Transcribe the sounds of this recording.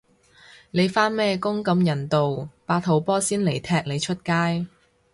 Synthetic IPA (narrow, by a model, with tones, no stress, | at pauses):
ne˨˧jfaː˥nmɛː˥kʊ˥ŋkɐ˨˧mjɐ˨˩nt̪o˨wpaː˧t̚ho˨˧˥wpɔː˥siː˥nle˨˩jt̪ʰɛː˧k̚le˨˧jt͡ʃʰɵ˥t̚kaː˥j